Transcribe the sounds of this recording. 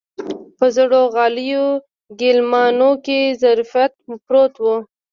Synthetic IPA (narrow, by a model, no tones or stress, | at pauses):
pəzɽoɣɑlijo | ɡɪlmɑnokezaɾfjat̪̚mpɾot̪wu